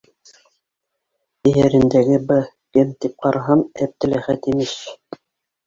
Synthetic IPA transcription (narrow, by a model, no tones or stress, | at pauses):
ɘjæɾɘ̆nd̪æɡɘbɤ | kɘmt̪ip̚qɑɾɑɦɑmæp̚t̪ɘ̆læχæt̪imɘʃ